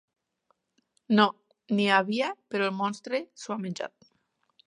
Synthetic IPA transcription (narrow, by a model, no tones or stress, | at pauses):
no | niaβiapeɾoelmɔnst̪ɾesoameɲʲd͡ʒa̰t̪̚